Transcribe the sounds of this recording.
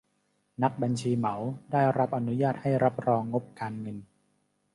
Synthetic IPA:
na˦˥k̚ba˧nt͡ɕʰiː˧ma˩˦wdaː˥˩jɾa˦˥p̚ʔa˧nu˦˥jaː˥˩t̪̚ha˥˩jɾa˦˥p̚ɾɔː˧ŋːo˦˥p̚kaː˧nŋɤ˧n

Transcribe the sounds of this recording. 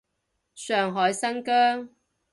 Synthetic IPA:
sœː˨˩ŋɦɔː˨˧jsɐ˥nkœː˥ŋ

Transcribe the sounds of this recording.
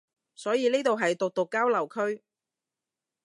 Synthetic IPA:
sɔː˨˥jiː˨˧niː˥t̪o˨wɦɐ˨jt̪ʊ˨k̚t̪ʊ˨kːaː˥wlɐ˨˩wkʰɵ˥ɥ

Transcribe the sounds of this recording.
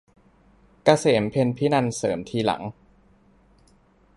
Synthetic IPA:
ka˧seː˩˦mpʰe˧npʰi˦˥na˧nsɤː˩˦mt̪ʰiː˧la̰˩˦ŋ

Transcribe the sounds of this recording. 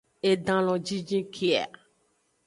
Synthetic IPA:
e˨ɖã˨lɔ̃˨d͡ʒi˦d͡ʒĩ˦kʰe˦a̰˨

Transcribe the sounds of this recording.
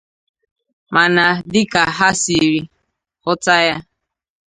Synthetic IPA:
ma˨na˨dɪ˦ka˨ɦa˦si˨ɾi˦ | hʊ˦ta˦ja˦

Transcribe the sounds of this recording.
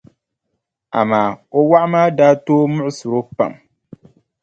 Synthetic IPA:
a̰˨maː˨o˦wa˦ʔmaː˦daː˦toː˦mʊ˦ʔʊ˦sʊ˨ɾo˦pa̰˨m

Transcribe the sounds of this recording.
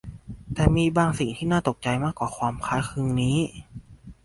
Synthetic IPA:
t̪ɛː˨˩miː˧baː˧ŋsi˨˩ŋt̪ʰiː˥˩naː˥˩t̪o˨˩k̚t͡ɕa˧jmaː˥˩kwaː˨˩kʰwaː˧mkʰaː˦˥˩kʰɯ˧ŋniː˦˥

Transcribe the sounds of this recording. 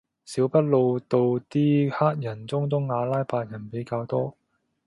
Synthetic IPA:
siː˨˥wpɐ˥t̚lo˨˧wt̪o˨˧wt̪iː˥haː˥t̚jɐ˨˩nt͡sʊ˥ŋt͡sʊ˥ŋːaː˨˧laː˥jpaː˧t̚jɐ˨˩npe˨˥jkaː˧wt̪ɔː˥

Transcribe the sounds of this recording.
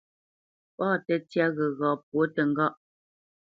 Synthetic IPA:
pɔː˦˨tɛ˨tja˦ɣə˨ɣɔː˨p̚wo˨˦tə˨ŋ̩˦ɡɔ˦ʔ

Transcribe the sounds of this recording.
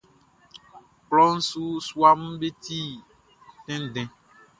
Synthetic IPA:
k͡plɔ˦n̩˦su˦su˦a˦m̩̃˦be˦t̪i˦ | t̪ɛ̃˦n˦˨ɖɛ̃˨

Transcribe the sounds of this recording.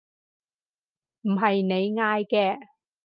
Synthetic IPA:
m̩˨˩ɦɐ˨jne˨˧jŋaː˧jkɛː˧

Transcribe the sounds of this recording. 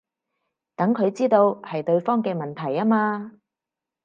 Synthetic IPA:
t̪ɐ˨˥ŋkʰɵ˨˧ɥt͡siː˥t̪o˧whɐ˨jt̪ɵ˧ɥfɔː˥ŋkɛː˧mɐ˨nt̪ʰɐ˨˩jaː˥maː˧

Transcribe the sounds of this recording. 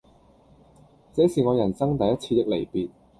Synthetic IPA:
t͡sɛː˨˥siː˨˩ŋɔː˨˧jɐ˨˩nsɐ˥ŋt̪ɐ˨jɐ˥t̚t͡sʰiː˧t̪ɪ˨k̚le˨˩jpiː˨t̚

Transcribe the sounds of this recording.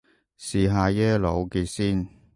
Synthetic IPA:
siː˨ɦaː˧jɛː˥lo˨˧wki˧siː˥˩n

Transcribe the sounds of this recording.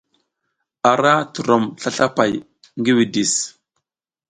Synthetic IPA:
a˨ɾa˦tu˨ɾo˨mɬa˦ɬa˦pa˨j | ŋɡi˦wi˨di˨s

